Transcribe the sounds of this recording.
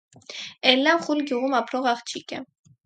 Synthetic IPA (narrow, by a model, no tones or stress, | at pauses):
ɛlːamχulɡjuʁumapʰɾɔʁɑχt͡ʃʰikɛ